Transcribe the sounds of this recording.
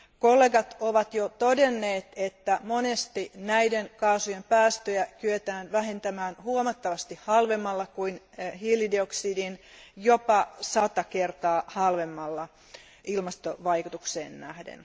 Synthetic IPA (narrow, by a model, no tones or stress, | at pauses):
kolːeɡɑt̪oʋɑt̪jot̪odenːeːt̪et̪ːæmonest̪inæidenkɑːsujempæːst̪øjækyet̪æːnʋæɦent̪æmæːnhuomɑt̪ːɑʋɑst̪ihhɑlʋemːɑlːɑkuin | hiːlːidioksidin | jopɑsɑt̪ɑkert̪ɑːhɑlʋemːɑlːɑ | ilmɑst̪oʋɑikut̪uksḛːnːæhdḛn